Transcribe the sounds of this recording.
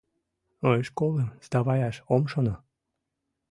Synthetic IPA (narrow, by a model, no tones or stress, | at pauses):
ojʃkoləmzd̪ɑβɑjɑʃomʃono